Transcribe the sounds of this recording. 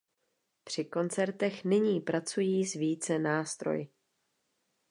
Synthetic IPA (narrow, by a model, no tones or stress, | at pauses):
pr̥ɪko̞nt͡sɛɾt̪ɛxnɪɲiːpɾat͡sujiːzviːt͡sɛnaːst̪ɾo̞̰jɪ